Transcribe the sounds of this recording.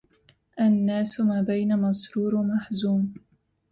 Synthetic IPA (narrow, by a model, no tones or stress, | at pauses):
ʔanːaːsʊmaːbajnamɑsˤɾuːɾmaħzuːm